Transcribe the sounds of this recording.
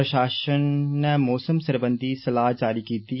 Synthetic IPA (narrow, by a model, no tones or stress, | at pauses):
ɐʃaːʃənnmɔːsəmsɐɾbə̃nd̪ʱisɐlaːɦd͡ʒaːɾikiːt̪i